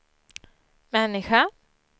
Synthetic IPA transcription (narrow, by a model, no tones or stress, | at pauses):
mɛnːɪɧa